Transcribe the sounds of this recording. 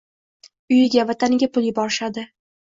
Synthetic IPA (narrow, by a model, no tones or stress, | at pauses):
ʊjɪɡʲavat̪ʰanɪɡʲapʰʊlˠjɪbɒɾɪʃad̪ɪ